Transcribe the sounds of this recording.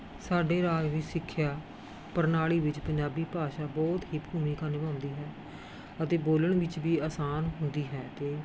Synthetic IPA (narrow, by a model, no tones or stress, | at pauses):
saːɖeːɾaːd͡ʒʋiːsɪkʰːjaː | pəɾnaːɭiːʋɪt͡ʃpəɲd͡ʒaːbiːpaːʃaːbɔːt̪ɦiːpbʱuːmiːkaːnɪbãːnd̪iːɦɛː | ət̪eːboːləɳʋɪt͡ʃbiːaːsaːnɦʊnd̪iːɦɛːt̪eː